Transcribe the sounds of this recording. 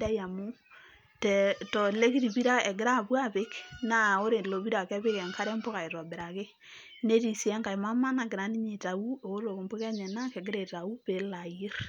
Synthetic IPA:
da˦ja˨mu˦ | tɛ˨tɔ˨le˦ki˦ti˨βi˦ɾa˦ɛ˨ɡɪ˦ɾa˦βwa˦βe˦kna˦o˦ɾe˨lo˨βi˦ɾa˨kɛ˦βe˦kɛ˨ŋkʰa˦ɾɛ˦mbo˦ɣa˨e˨ɾa˨be˨ɾa˨ke˦ | ne˦ti˨si˨ɛ˦ŋɡa˨e˨ma˦ma˦na˨ke˨ɾa˦ni˦ɲe˨ta˨u˦o˨o˦lo˨ko˨mbo˦kɛ˦ɲɛ˨na˦ke˨ɡe˦ɾe˨ta˨u˦pe˨la˨ji˦ɾ

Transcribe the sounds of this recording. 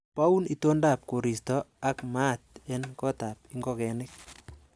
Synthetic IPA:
pa˦u˦ni˦to˦nda˨p̚ko˨ɾi˨stɔ˦a˦kma˦t̚ɛ˦nkɔ˦ta˨p̚i˦ŋɡɔkɛ˨nɪk

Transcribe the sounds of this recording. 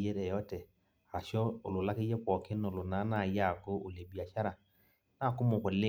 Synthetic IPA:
je˦ɾe˨jɔ˦te˨ | a˨ʃɔ˦ʊ̰˨lʊ˨la˦ki˦je˦kʷɔ˨kɪ˦n˦o˨lʊ˨na˨˦na˦˨ja˦˨kʊ˦o˨le˨bi˨a˨ʃa˦ɾa˨ | na˦˨kʊ˦mʊ˨kʷɔ˨le˦

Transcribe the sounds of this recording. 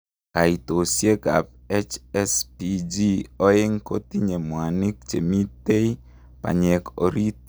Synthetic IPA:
ka˨i˨t̪o˨sje˦ka̰˨p̚ | ɛ˦t͡ʃɛspi˦d͡ʒi˦ɔ˦ɪ˦ŋko˦t̪i˦ɲe˨mwa˨nɪ˦k̚t͡ʃḛ˨mi˦te˦i˦ | pa̰˨ɲɛ˨ko̰˨ɾi˦t̚

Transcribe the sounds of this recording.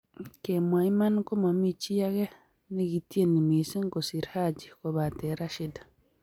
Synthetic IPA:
ke˨ma˨i˦ma˦n˦ko˦ma˨mi˦t͡ʃi˦ja˦ɡe˦ | ni˦ɡi˨ti˦e˦ni˨mi˨si˦ŋko˨si˨ɾha˦d͡ʒi˨ko˨ba˨te˨ɾa˦ʃi˦dḁ˨

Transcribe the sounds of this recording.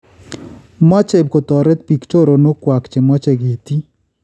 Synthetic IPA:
mɔ˦t͡ʃɛ˨b̚ko˨t̪ɔ˨ɾɛ˦t̪pi˨kt͡ʃo˦ɾo˨no˦kwa˨kt͡ʃe˨mɔ˦t͡ʃɛ˨ɡe˨t̪i˦

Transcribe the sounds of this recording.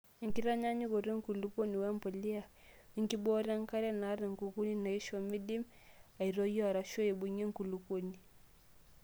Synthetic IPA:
ŋ̩˨ki˦ɾa˦ɲa˦ɲi˦kɔ˨ɾi˦ŋ̩˦ku˨lu˨ku˦ni˨wɛ˦mpɔ˨li˦a˨ | i˦ŋki˦bɔ˦ɾa˦ŋ˦ka˦ɾɛ˦na˨˦ɾɛ˨ŋ̩˨ku˨ku˦ni˦na˨i˦ʃɔ˨mi˦di˦m | a˨i˨ɾɔ˦jɔ˦a˨ɾa˨ʃɔ˦i˨ɓu˨ɲi˦ŋ˨ku˨lu˨ku˦ni˨

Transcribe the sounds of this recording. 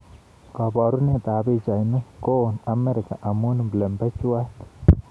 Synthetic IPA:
ka˨ba˨ɾu˦ne˦d̪a˨bi˦˧d͡ʒa˨jnu˦ko˦˨na˧me˦ɾi˨ka̰˨ʔa˨mu˦n˦mble˨mbe˦t͡ʃwe˦t̪

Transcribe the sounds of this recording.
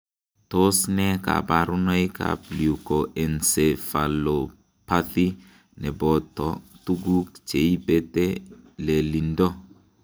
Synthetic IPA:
to˦snɛ˦ka̰˨ba˨ɾu˦nɔ˦ika̰˨pli˨u˨ko˨ʔɛ˨nse˨fa˨lo˨ | pa˦θi˦ | nɛ˨bɔ˨tɔtu˦ɡu˦kt͡ʃe˨i˦bɛ˦tɛ˦lɛ˨li˨ndɔ˦

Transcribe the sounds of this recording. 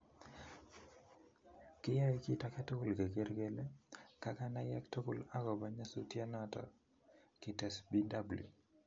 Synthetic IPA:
kɪ˦ja˦i˦ki˦˨ta˦ka˦to˦kʊ˨lɡe˨ɡe˦ɾɡe˦le˦ka˦ka˦na˦jɛ̰˦kto˦kʊ˨la˦ɡɔ˨ba˦ɲa˦so˦tja˦na˦tɔ̰˨ | kɪ˨tɛ˨sbi˦da˦bu˨ljṵ˨

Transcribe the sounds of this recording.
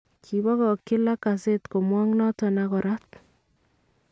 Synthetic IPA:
kʰi˨bɔ˦kɔ˨kːɪ˦la˦kase˦tko˨mwɔ˦ŋnɔ˦tɔ˨nakɔ˨ɾat̚

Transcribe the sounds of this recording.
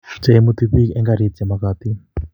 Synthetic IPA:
t͡se˨˦mut̪iði˦kɛ˦ŋɡa˨ɾi˦t͡sɛ˨makat̪i˦

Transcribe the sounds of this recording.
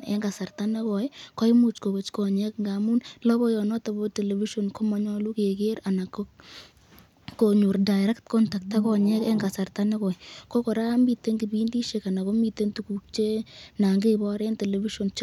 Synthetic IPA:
ɛ̰˦ŋɡa˨sa˨rta˦nɛ˦kɔ˨jkɔ˦i˦mu˦t͡ʃko˨bo˨t͡ʃkɔ˨ɲɛ˦kŋɡa˨mu˦nlɔ˦bɔ˦jɔ˨nɔ˦ta˨bo˦tɛ˨le˨vi˦ʃɔ˨nko˦ma˦ɲɔ˦lu˦ke˨ke˦ɾa˨na˨k | koɲu˨rda˨ɪɾɛ˦ktkɔ˦nta˨k̚ta˦kɔ˦ɲɛ˦kɛ˦ŋɡa˨sa˨rtanɛ˦kɔ˨ikɔ˦kɔ˨ɾa˦mbi˨te˦ŋɡi˨bi˦ndi˦ʃe˨ka˨na˨ko˦mi˨te˦ntuku˨k̚t͡ʃe˦na˨ŋɡe˦bɔ˦ɾɛ˦ntɛ˨lɛ˨vi˦ʃɔ˨nt͡ʃ

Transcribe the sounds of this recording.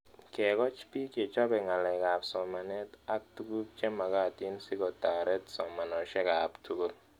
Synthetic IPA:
kɛ˨kɔ˦t͡ʃpi˦ke˨t͡ʃɔ˦bɛ˨ŋa˨lɛ˨ka˨psɔ˨ma˨nɛ˦ta˦k̚tu˦ku˦p̚t͡ʃɛ˦ma˨ka˦˨ti˦nsi˦kɔ˨ta˨ɾɛ˦tsɔ˨ma˨nɔ˨ʃɛ˦ka˨ptʰu˦ko˦l

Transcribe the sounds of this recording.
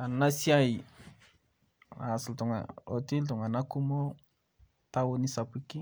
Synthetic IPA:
a˨na˦si˦a˦i˨ | a˨sltu˨ŋa̰˨o˨ti˦ltɔ˨ŋa˨na˦ku˦mo˦ | ta˦wo˦ni˦sa˨pi˦ki˦

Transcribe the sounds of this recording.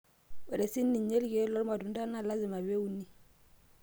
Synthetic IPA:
wɛ˨ɾɛ˨si˦ni˨ɲe˦lɡe˦lɔ˦lma˨du˨n˦da˦na˦˨la˦zi˨ma˨βe˦u˦ni˦

